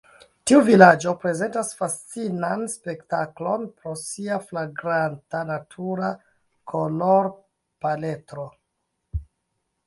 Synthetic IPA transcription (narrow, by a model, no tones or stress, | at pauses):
tiuvilad͡ʒo̞pɾe̞ze̞ntasfast͡sinanspe̞ktaklo̞npɾo̞siaflaɡɾantanatʰuɾa | kʰoloɾ | pale̞tɾo̞